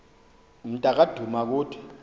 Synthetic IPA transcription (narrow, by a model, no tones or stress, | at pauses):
m̩tʼak̬ʼad̥ʱumak̬uːtʰi̥